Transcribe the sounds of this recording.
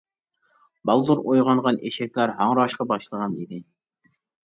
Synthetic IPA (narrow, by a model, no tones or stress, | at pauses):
bɑlˠd̪uɾojʁɑɴʁɑneʃɛk̚ʲlæɾɦɑŋɾɑʃqɑbɑʃlˠəʁɑnḭd̪ɪ